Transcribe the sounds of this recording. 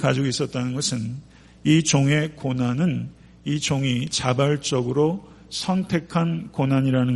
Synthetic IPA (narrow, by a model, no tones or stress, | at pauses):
kad͡ʑoɡis͈ʌt̚t͈anɯnɡʌsʰɯn | it͡ɕoŋe̞konanɯn | it͡ɕoŋit͡ɕabaɭt͡ɕ͈ʌɡɯɾo | sʰʌntʰe̞kʰankonaɲiɾanɯ